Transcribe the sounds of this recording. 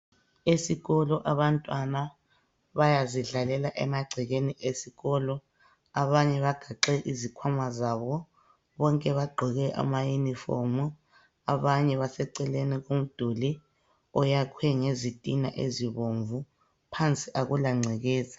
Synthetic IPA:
esiɣɔlɔʔaβantʼwana | βajaziɮalɛlaʔɛ̰maɡ͡ǀʱiɣeniʔesiɣɔlɔ | aβaɲɛβaɡ̥ʱaǃɛʔizikʰwamazaβɔ | βɔŋkʼɛβaɡ͡ǃʱɔɣɛʔa̰majunifɔ̰mu | aβaɲɛβasɛǀɛleniɣom̩d̥ʱoli | ɔjakʰwɛŋezitʼinaʔḛziβoɱvu | pʰant͡sʼiʔaɣulaŋ͡ǀʱɛɣɛːza

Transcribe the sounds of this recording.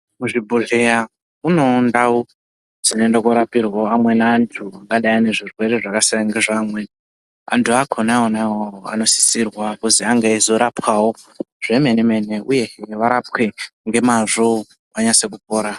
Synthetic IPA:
muʐibʱuɮea | uno̞ndao | d͡zinondakoɾapirwaamwe̞naːntʰuaŋɡaɗaine̞ʐirwe̞ɾe̞ʐakasiaŋɡeʐaːmwe̞ | a̰ntʰuakʰonaonawoa̰no̞si̥sirwakuziaŋɡaizoɾapwaɦo | ʐ̥e̞me̞nemene̞uje̞ʋaɾap̚we̞ŋɡe̞maʐo | aɲase̞k̬upoːɾa

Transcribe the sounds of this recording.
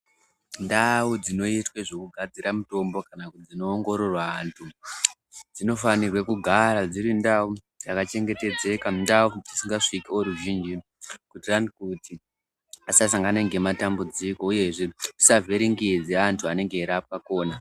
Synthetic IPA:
ndaud͡zino̞itweʐo̞kuɡʱad͡ziɾamuto̞mbo̞kanakud͡zino̞ːŋɡo̞ɾo̞rwaːntʰu | d͡zino̞fanirwekuɡʱaɾad͡ziɾindau | d͡zakat͡ʃe̞ŋɡe̞te̞d͡ze̞kandaud͡zisiŋɡaʂikioɾuʒiːnd͡ʒi | kutiranikuti | asasaŋɡanaŋɡe̞matambud͡ziko̞uje̞ʐe̞isavʱeɾiŋɡid͡zeantʰuane̞ŋɡe̞ːɾap̚wako̞ːna

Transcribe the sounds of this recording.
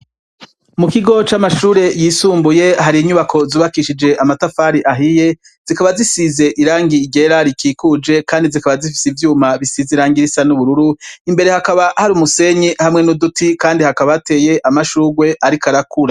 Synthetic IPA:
mukiɡo̞t͡ʃamaʃuːɾe̞jiːsuːmbuje̞haɾiːɲuβakʰo̞zuːβakiʃid͡ʒe̞ʔamatafaːɾiʔaɦije̞ | z̥ikaβazisize̞ʔiɾaːŋɡiɟe̞ɾaɾikiːkud͡ʒe̞kʰaːndizikaβazifi̥sivjuːmaβisiziɾaːŋɡiɾisanuβuɾuɾuimbe̞ɾe̞hakaβahaɾuːmuse̞ɲihamŋenudutikaːndihakaβaate̞ːje̞ʔamaʃuːɡwe̞ʔaɾikaɾakuɾa

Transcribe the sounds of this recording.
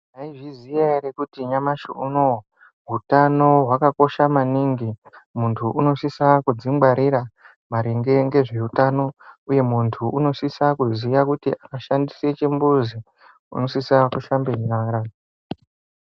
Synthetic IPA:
naiʐizijaɾekutiɲamaʃoʔuno | ɦutano̞ɦwakako̞ʃamaniŋɡimuntʰuʔuno̞sisakud͡zimɡ͡baɾiɾa | maɾiŋɡe̞ŋɡe̞ʐe̞utano̞uje̞muntʰuuno̞sisakuzijakutḭʔakaʃandiset͡ʃimbuzi | ṵno̞sisakuʃambe̞ɲaːɾa

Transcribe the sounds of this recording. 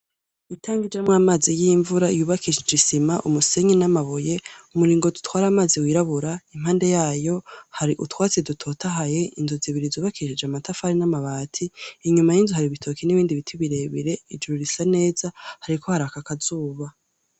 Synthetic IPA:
itʰaːŋɡid͡ʒamŋamaːzijiːɱvuɾaijuːβakʰiʃid͡ʒisimaʔumuse̞ɲinamaβoje̞umuɾiːŋɡodutwaːɾamaːziwiːɾaβuɾaim̥aːnde̞jaːjo̞haɾiʔutwaːt͡sedutʰo̞ːtʰaɦaje̞inzuziβiɾizuːβakiʃid͡ʒeamatafaɾinamaβaːtʰiːɲumajinzuhaɾiβitʰo̞kʰiniβiːndiβitʰiβiɾe̞βiɾe̞id͡ʒuɾuɾisane̞ːzahaɾikʰo̞haɾakakazuːβa

